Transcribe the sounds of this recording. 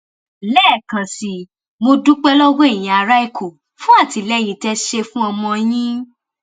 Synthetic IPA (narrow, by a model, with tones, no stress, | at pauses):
lɛː˦˨kã˨si˨ | mo˧dũ˦k͡pɛ˦lɔ˦ɡɔ̃˦e˦˨j̃ĩ˨a˧ɾa˦i˦˨kʰo˨ | fũ˦a˦˨ti˨˧lɛ˦j̃ĩ˧tɛ˧ʃe˧fũ˦ɔ˧mɔ̃˧j̃ĩ˦